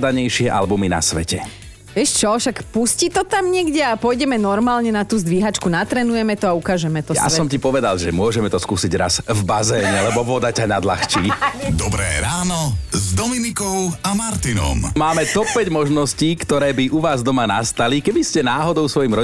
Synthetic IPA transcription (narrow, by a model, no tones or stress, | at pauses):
d̪aɲɛjʃɪɛʔa̰lbumina̰sʋɛcɛ | ɛʃt͡ʃɔʃakpuscit̪ɔt̪amɲɪɛɡɟɛapɔjɟɛmɛnɔɾmaːlɲɛnat̪uːzd̪ʋiɦat͡ʃkunat̪ɾɛːnujɛmɛt̪ɔaukaːʒɛmɛt̪ɔja̰sɔmcipɔʋɛd̪alʒɛmʊɔʒɛmɛt̪ɔskuːsiɟɾa̰zvbazɛːɲɛlɛbɔʋɔd̪acanad̪la̰xt͡ʃiːd̪ɔbɾɛ̰ːɾaːnɔzd̪ɔminikɔʊamaɾt̪inɔ̰mmaːmɛt̪ɔpːɛɟmɔʒnɔsciːkt̪ɔɾɛːbiʔuʋaːzd̪ɔmanast̪alikɛbiscɛnaːɦɔd̪ɔʊsʋɔjiːmɾɔ